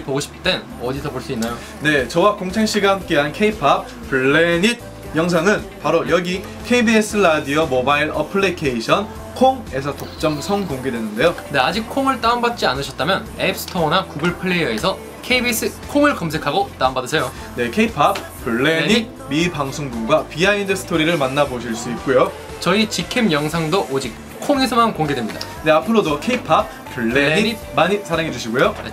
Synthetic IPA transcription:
poɡoɕʰi̥p̚t͈e̞n | ʌdisʰʌboɭs͈uinːajo | ne̞t͡ɕʌwakoŋt͡ɕʰeŋɕ͈iɡahamk͈e̞ɦankʰeipʰap̚ | puɭːeɲit̚ | jʌŋs̬ʰaŋɯnpaɾojʌɡi | kʰeibies͈ʰɯɭadiʌmobaiɭʌpʰɯɭːikʰeiɕʰʌn | kʰoŋe̞sʰʌtok̚t͡ɕ͈ʌŋsʰʌŋkoŋɡedwe̞nɯnde̞jone̞ad͡ʑik̚kʰoŋɯɭt͈aɯmbat̚t͡ɕ͈ianɯɕʰʌt̚t͈amjʌnep̚sʰɯ̥tʰʌnakuɡɯɭpʰɯɭːe̞jʌesʰʌ | kʰeibis͈ɯkʰoŋɯɭkʌms̬ʰe̞kʰaɡot͈aumbadɯsʰejo | ne̞kʰe̞ipʰap̚ | puɭːeɲi | mipaŋsʰoŋbuɡwapiaindɯsʰɯ̥tʰoɾiɾɯɭmanːaboɕʰiɭs͈uit̚k͈ojo | t͡ɕʌit͡ɕikʰemjʌŋsʰaŋdoʔod͡ʑik̚ | kʰoŋe̞sʰʌmankoŋɡedwemɲida̰ne̞apʰɯɾodokʰeipʰap̚ | puɭːeii | maɲisʰaɾaŋɦe̞d͡ʑuɕʰiɡojoe

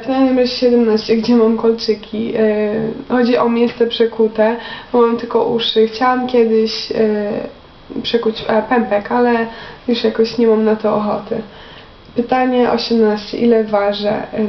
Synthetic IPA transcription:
vnajnɛmrɛɕɛɕɛd̪ɛmnaɕt͡ɕɛɡd͡ʑɛmamkɔlt͡ʂɘkʲʰi | xɔd͡ʑiʔɔmʲjɛst̪ɛpʂɛkut̪ɛɔmamt̪ɘlkɔʔuʂɘxt͡ɕawamkʲjɛd̪ɪɕ | pʂɛkut͡ɕpɛmpɛkalɛjuʂjakɔɕɲɛmamnat̪ɔːxɔt̪ɘ̰ | pɘt̪aɲɛʔɔ̰ɕɛmnaɕt͡ɕɛ̰ʔilɛvaʐɛ̰

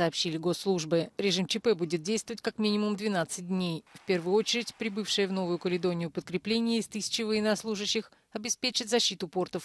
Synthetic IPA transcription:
ɐːpɕːilʲɪɡo̞sːlˠuʐbɨɾʲɪʐɨmt͡ɕɪpɛbudʲɪt̪̚dʲejst̪vəvətʲkakmʲinʲɪmʊmd̪vʲɪnat̪sɨt̚ʲd̪ʲnʲejfpʲe̞rvʊjʊo̞t͡ɕɪɾʲɪtʲpɾʲɪbɨfʂɨjəvno̞vʊjʊkəlʲɪd̪o̞nʲɪjʊpət̪̚kɾʲɪplʲenʲɪjəɪst̪ɨsʲɪ̥t͡ɕɪvəjɪnɐslˠuʐɨɕːɪx | ɐbʲɪspʲet͡ɕɪt̪zɐɕːit̪ʊpo̞rt̪əf

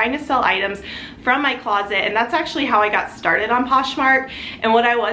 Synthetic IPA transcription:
aɪ̃ŋtʰɨsɛlˠa̰ɪɾɨ̃mz̥ | fɹʌ̃mːaɪkʰl̥ɑzɨtɨ̰̃nðætsæk̚t͡ʃʉl̩ˠiɦaʊaɪɡɑtstɑɹɾɨɾn̩pʰɑʃmɑɹk̚ʔɨ̃nwʌɾaɪwʌ

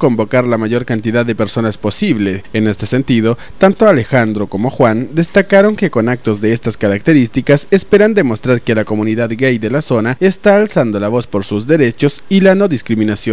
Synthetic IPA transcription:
ko̞mbo̞kaɾlamaʝo̞ɾkant̪iðaðːe̞pe̞ɾso̞naspo̞siβle̞ene̞st̪e̞̥se̞nt̪ið̞o̞ | t̪ant̪o̞ale̞xand̪ɾo̞ko̞mo̞xwand̪e̞st̪akaɾo̞ŋke̞ko̞nak̚t̪o̞zðe̞est̪askaɾak̚t̪e̞ɾist̪ikasespe̞ɾand̪e̞mo̞st̪ɾaɾke̞lako̞muniðaðɡejðe̞laso̞nae̞st̪aːlsand̪o̞laβo̞spo̞ɾsuzðe̞ɾe̞t͡ʃo̞silano̞ðiskɾimĩnasjo

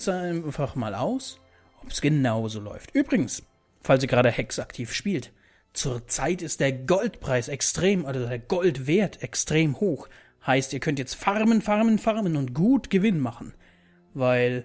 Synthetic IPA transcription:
zaaɪnfaχma̰ːlʔa̰ʊs | ʔɔpsɡ̥ənaʊzoːlɔ̰ʏftʔyːbʁɪɡŋ̩s | fals̬iːɡʁaːdəhɛksaktʰiːfʃpiːlt | t͡suːɐt͡saɪtɪst̚d̥eːɐɡɔltpʁ̥aɪsɛkstʁ̥eːmʔazodeːɐɡɔltv̥eːɐtʰɛkstʁ̥eːmhoːx | haɪstiːɐkʰœntjɛt͡stfaʁmənfaʁmənfaʁmənʊntɡ̥uːtɡ̥əvɪnmaχn̩ | vaɪl

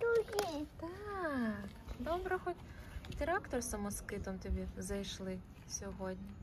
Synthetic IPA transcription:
d̪ɾuɦit̪a | kd̪ɔbɾɐxɔt̪ʲt̪ɾakt̪ɔrsɐmɔskɪt̪ɐmt̪ɔbʲizɐjʃlˠɪ | sʲɔɦɔdʲnʲi

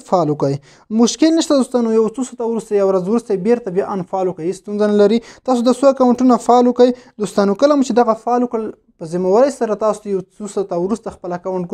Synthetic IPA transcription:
fɑlukəj | mʊʃkɪlnəʃt̪ad̪ost̪ɑnojawt͡sosat̪awɾust̪ajawɾazwɾust̪ajbeɾt̪abjɑʔanfɑlwəkaist̪unzanalaɾit̪ɑs̬od̪əsoakawaɳʈunafɑːlwəkəjd̪ost̪ɑnokəlamut͡ʃed̪aɣafɑləkɽəl | pəzimawaɾəjsaɾat̪ɑsojawt͡susat̪awɾust̪axpəlakawaɳʈ̚k

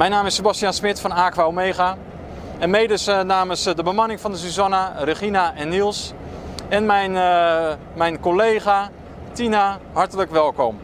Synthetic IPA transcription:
mɛjnaːmɪsːəbastijansmɪtfɔnaːkʋaomejɣa | ɛnmejdəsnaːməsdəbəmanɪŋfɔndəs̬uzanarəχinaʔɛnːilˠs | ɛnmɛjn | mɛjnkolejɣa | tinahɑɹtələkʋɛlˠkɔm

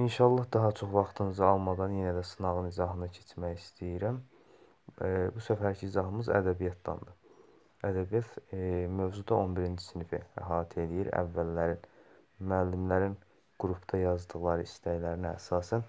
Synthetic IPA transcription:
inʃɑlˠːɑhd̪ɑɦɑt͡ʃʰo̞χvɑχt̪ʰɯnɯzɯɑlˠmɑd̪ɑnjenæd̪æsɯnɑʁɯnizɑɦɯnɯcʰet͡ʃʰmæjist̪ʰijiɾæm | busæfæɾcʰiːzɑɦɯmɯzæ̰d̪æbijɑt̪̚ʰd̪ɑ̰nd̪ɯ | æd̪æbijɑt̪mø̞vd͡ʒud̪ɑo̞nbiɾind͡ʒi̥sinifḭæ̰ɦɑːt̪ʰe̞lijiɾæ̰vːælːæɾin | myælːimlæɾin | ɡ̥uɾupʰd̪ʰɑjɑzd̪ɯɣlˠɑɾɯist̪æjlæɾiniæ̰sɑːsæn

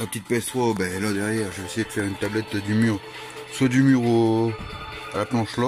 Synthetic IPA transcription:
apə̥t̪it̪̚pɛst̪χobɛlad̪ɛʁjɛʁʒeesejed̪əfɛʁynt̪ablɛt̪d̪ymyːʁ | swad̪ymyʁo | alaplɑ̃ʃlɔ

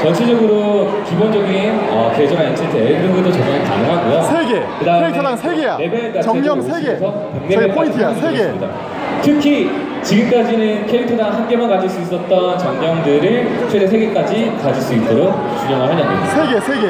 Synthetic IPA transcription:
t͡ɕʌnt͡ɕʰid͡ʑʌɡɯɾo | kibond͡ʑʌɡinʌked͡ʑʌɡaʌnt͡ɕʰiɭtʰeɯɾɯnɡɯndot͡ɕʌnanɯnta̰nɯɦaɡujoɡkɯdaɯmne̞beenk͈at͡ɕiiesʰʌ | puŋnebeassɯmɲida̰ | tʰɯkʰi | t͡ɕiɡɯmk͈ad͡ʑinɯnkʰeɾitʰɯdahanɡe̞mankad͡ʑiɭs͈uis͈ʌt̚t͈ʌnt͡ɕʌŋɲʌŋdɯɾɯɭt͡ɕʰwetesʰe̞ɡe̞k͈ad͡ʑikad͡ʑiɭs͈uit͈oɾok̚t͡ɕuɲʌŋɦɯɭɦaɲamɲida

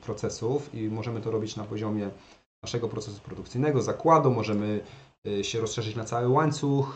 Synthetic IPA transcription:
pɾɔt̪sɛsufimɔʐɛmɘt̪ɔɾɔbʲit͡ɕnapɔʑɔmʲjɛ | naʂɛɡɔpɾɔt̪sɛsu̥pɾɔd̪uk̚t̪sɘjnɛɡɔzakwad̪umɔʐɛmɘ | ɕɛɾɔsʂɛʐɘt͡ɕnat̪sawɘwaɲt̪sux

